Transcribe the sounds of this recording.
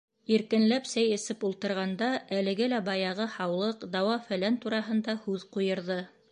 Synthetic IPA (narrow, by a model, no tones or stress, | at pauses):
iɾkɘ̆nlæpsæjɘ̆sɘpulˠt̪ɤ̆ɾʁɑnd̪ɑʔælɘ̆ɡɘlæbɑjɑʁɤhɑwlˠɤqd̪ɑwɑfæ̆lænt̪uɾɑɦɤ̆nd̪ɑhʉðqujɤ̆ɾðɤ